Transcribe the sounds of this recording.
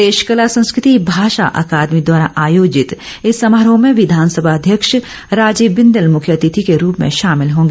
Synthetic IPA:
eːʃkəlasɐ̃nskɾɪt̪ibʱaːʃa̰ʔɐ̰kaːd̪mid̪waːɾaʔaːjoːd͡ʒɪt̪ | ɪsːɐmɾõmẽʋɪd̪ʱaːnsəbʱaɐd̪ʱjəkʃ | ɾaːd͡ʒiːbɪ̃nd̪əlmʊkʰjət̪it̪ʰikeɾuːpmḛ̃ʃaːmɪlɦõːŋɡeː

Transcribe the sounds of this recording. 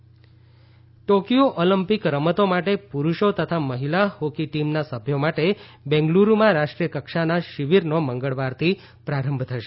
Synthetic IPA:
ʈokijoʔoləmpikɾəmət̪omaʈepuɾuʃot̪ət̪ʰaməɦilahokiʈimnasəbʱjomaʈebɛ̃ŋɡluɾumãɾaʃʈɾijəkəkʃanaʃiʋiɾnoməŋɡəɭʋaɾt̪ʰi | pɾaɾəmbʱt̪ʰəʃe

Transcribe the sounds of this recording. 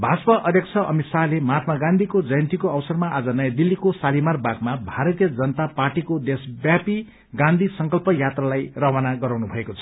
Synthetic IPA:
bʱaspʌʔʌd̪ʱjʌkt͡sʰʌʔʌmit̪salemat̪maɡãnd̪ʱikod͡zʌjʌnt̪ikoʌwsʌrmaʔad͡zʌnʌjad̪ilːikosalimarbaɡmabʱaɾʌt̪ijʌd͡zʌnʌt̪aparʈikod̪esbjapi | ɡãnd̪ʱisʌŋkʌlpʌjat̪ralajrʌwanaɡʌɾawnubʱʌekot͡sʰʌ̥

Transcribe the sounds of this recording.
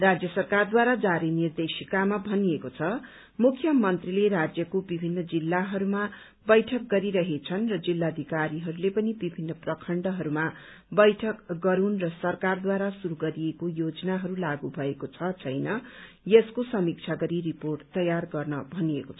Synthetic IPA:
rad͡zjʌsʌrkard̪waɾad͡zaɾinird̪esikamabʱʌniekot͡sʰʌ | mukʰːjʌmʌnt̪rilerad͡zjʌkobibʱinːʌd͡zilːaɦʌɾuma | bʌjʈʰʌk̚ɡʌɾiɾʌɦet͡sʰʌnrʌd͡zilːad̪ʱikaɾiɦʌɾulepʌnibibʱinːʌprʌkʰʌɳɖʌɦʌɾuma | bʌjʈʰʌkɡʌɾunrʌsʌrkard̪waɾasuɾuɡʌɾiekojod͡zʌnaɦʌɾulaɡubʱʌekot͡sʰʌt͡sʰʌjnʌ | jeskosʌmik̚t͡sʰaɡʌɾiriporʈt̪ʌjarɡʌrnʌbʱʌniḛkot͡sʰʌ

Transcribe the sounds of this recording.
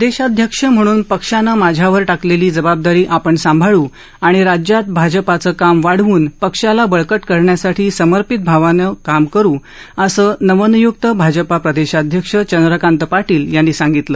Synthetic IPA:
d̪eɕad̪ʱjəkʂəm̤əɽ̃uːnpəkʂanːamad͡ʑʱjaʋəɾʈakleliːd͡zəbab̚d̪aɾiːʔapəɳsãmbʱaɭuː | aɽ̃iɾad͡ʑjat̪̚bʱad͡ʑəpat͡səːkamʋaɽ̤ʋuːnpəkʂalabəɭkəʈkəɾɳjasaʈʰiːsəməɾpit̪̚bʱaʋanəkamkəɾuː | əsəːnəʋənujuk̚t̪əbʱad͡ʑəpapɾəd̪eɕad̪ʱjəkʂət͡ɕənd̪ɾəkant̪əpaʈiːljanːiːsaŋɡit̪ləː

